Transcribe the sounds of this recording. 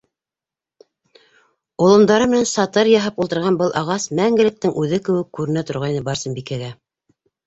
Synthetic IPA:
ŏlˠɤ̆md̪ɑɾɤmɘ̆nænsɑt̪ɤɾjɑɦɑpulˠt̪ɤ̆ɾʁɑnbɤlˠʔɑʁɑsmæŋɡɘ̆lɘ̆k̚t̪ɘŋʔʉðɘkɘ̆wɘ̆kːʉɾɘ̆næt̪ŏɾʁɑjnɤbɑɾsɤmbikæɡæ

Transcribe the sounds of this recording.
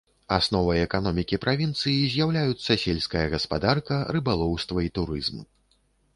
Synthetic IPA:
asnɔvɐjɛkanɔmʲikʲipɾʔavʲint̪sɨjizʲjawlʲajut̪sːɐsʲelʲsʲkɐjɐɣɐspad̪arkɐrɨbalˠɔwst̪vɐit̪uɾɨzmu

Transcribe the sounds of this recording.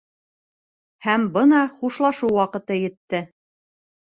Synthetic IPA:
hæmbɤnɑχuʃlˠɑʃuwwɑqɤ̆t̪ɤjɘ̆t̪ːɘ

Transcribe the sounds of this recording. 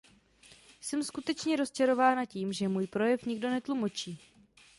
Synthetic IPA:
sɛmskut̪ɛt͡ʃɲɛɾo̞st͡ʃɛɾo̞vaːnaciːmʒɛmuːjpɾo̞jɛfɲɪɡdo̞nɛt̪lumo̞t͡ʃiː

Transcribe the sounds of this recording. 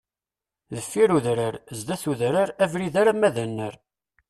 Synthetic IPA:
ðəfːiɾuðɾəɾzd̪æθuðɾəɾævɾiðaɾamæðænːəɾ

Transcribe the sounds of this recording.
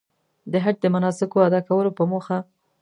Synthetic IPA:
d̪əɦad̚d̪əmanɑsɪkoad̪ɑkawəlopəmoxa

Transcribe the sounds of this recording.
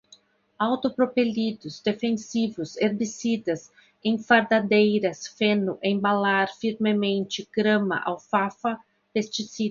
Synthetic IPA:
awt̪opɾopelid̪ʊzd̪efẽnsivʊseɾbisid̪ɐs | ẽj̃faɾd̪ad̪ejɾɐsfenʊʔẽj̃balaɾfiɾmemẽnt͡ʃɪɡ̥ɾɐ̃mɐ̰ʔa̰wfafɐ | pest͡ʃisi

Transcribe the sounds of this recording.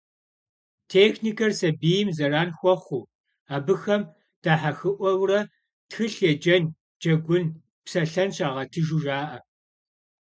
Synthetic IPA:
tʰeːxniːkʰɐrsɐbiːjɪmzɐraːnxʷɔχʷuː | aːbɨxɐm | d̥aːħaxɨʔʷɔwrɐ | txɨɬed͡ʒɐn | d͡ʒɐɡʷʊn | psɐɬɐnɕaːʁɐtʰɨʒuʒaːʔɐ

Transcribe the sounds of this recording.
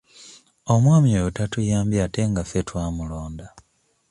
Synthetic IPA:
o̞mwaːmioutatujaːmbjate̞ŋɡafetwaːmulo̞ːnda

